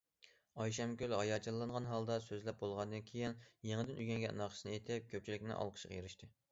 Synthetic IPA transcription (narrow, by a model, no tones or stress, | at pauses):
ɑjʃɑmkʲylhɑjɑt͡ʃʰɑlˠːɑɴʁɑnɦɑlˠd̪ɑsøzlɛp̚bolˠʁɑnd̪ɨnkʲʰejinjeŋɪd̪ɪnyɡʲɛŋɡʲɛ̰nɑqʰʃnet̪ʰɪp̚kʲʰøp̚t͡ʃʰilɪkʲnɪ̰ʔɑ̰lˠqʰə̥ʃə̥qjeɾɪʃt̪ʰɨ